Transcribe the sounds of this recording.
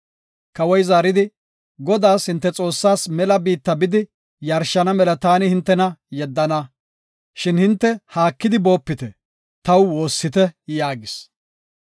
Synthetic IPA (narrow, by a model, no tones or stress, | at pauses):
kɐwɔjzaːɾɪd̪ɪ | ɡɔd̪aːshɪnt̪ːɛt͡sʼo̞ːsːaːsmɛlɐbiːt̪ːɐbɪd̪ɪ | jɐɾʃɐnɐmɛlɐt̪aːnɪhɪnt̪ːɛnɐjɛd̪ːɐnɐ | ʃɪnhɪnt̪ːɛhaːkːɪd̪ɪbo̞ːpːɪt̪ɛ | t̪ɐwwo̞ːsːɪt̪ɛjaːɡɪs